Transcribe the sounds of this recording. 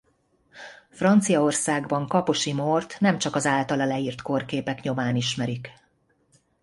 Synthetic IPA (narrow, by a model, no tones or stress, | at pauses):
frɒnt̪sijɒo̞rsaːɡbɒŋkɒpo̞ʃimort̪nɛmt͡ʃɒkɒzaːlt̪ɒlɒlɛiːrt̪ko̞rkeːpɛkɲo̞maːniʃmɛɾik